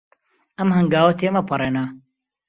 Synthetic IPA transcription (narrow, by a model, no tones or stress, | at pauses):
ɐmhɐŋɡaːwɐt̪ʰeːmɐpʰɐɾeːnɐ